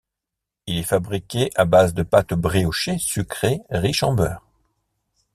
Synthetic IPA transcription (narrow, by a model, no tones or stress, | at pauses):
ilɛfabʁikʲeʔabazd̪əpat̪bʁioʃesykχeʁiʃɑ̰̃bœ̰ːʁ